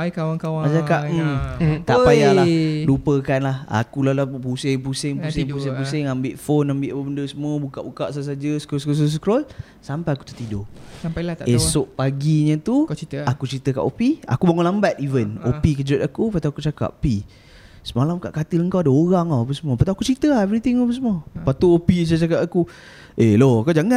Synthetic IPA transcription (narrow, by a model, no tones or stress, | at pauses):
kawaŋkawamat͡ʃakaʔ̩ | t̪aʔpajalalupəkanlaha̰kulalapusɪŋp̬usɪŋpusɪŋpus̬ɪŋpusɪŋambɪʔfonambɪʔapəbəndəsəmuəbuka̰ʔbukaʔsas̬ad͡ʒəsə̥kɾɔlskɔsɔs̬ə̥kɾɔl | sampajaku̥t̪u̥t̪idosampajlat̪esʊʔpaɡiɲə̃t̪ut̪akut͡ʃɾit̪əka̰ʔopia̰kubaŋʊnlambat̪̚ivənopikəd͡ʒʊt̪̚akupat̪uakut͡ʃaka̰ʔpi | səmalamka̰ʔkat̪iləŋkawadaoɣaŋawap̬əsəmuəpat̪uakut͡ʃɾit̪əaɛvɾit̪ɪŋapəsəmuəpat̪uopit͡ʃat͡ʃakapaku | eloakad͡ʒaŋa